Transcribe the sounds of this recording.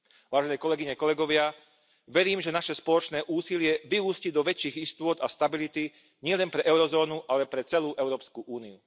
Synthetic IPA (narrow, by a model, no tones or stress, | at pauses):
ʋaːʒɛnɛːkɔlɛɡiɲɛkɔlɛɡɔʋɪa | ʋɛɾiːmʒɛnaʃɛspɔlɔt͡ʃnɛːʔuːsilɪɛʋiɦuːscid̪ɔʋɛt͡ʃiːɣist̪ʊɔd̪ast̪abilit̪i | ɲɪɛlɛnpɾɛʔɛʊɾɔzɔːnuʔalɛpɾɛt͡sɛluːʔɛʊɾɔːpskuʔuːniu